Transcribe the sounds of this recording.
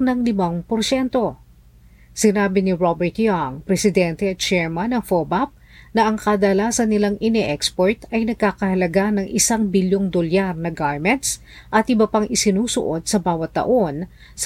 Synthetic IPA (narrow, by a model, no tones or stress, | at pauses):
nɐŋlɪmɐŋpoɾʃɛnt̪o̞ | sɪnaːbɪnɪɹobɛɹt̪jaŋpɾɛsɪd̪ɛnt̪ɛɐt̪̚t͡ʃɛɹmɐnɐŋfobap̚ | nɐʔɐŋkɐd̪ɐlaːsɐnːɪlaŋʔɪnɛʔɛkspoɹt̪ɐjnɐɡ̚kaːkɐhɐlɐɡanɐŋʔɪsaŋbɪljoŋd̪oljaɾnɐɡaɹmɛnt̪s | ʔɐt̪ʔɪbɐpaŋʔɪsɪnuːsʊ̰ʔo̞d̪̚sɐbaːwɐt̪ːɐ̰ʔo̞n | s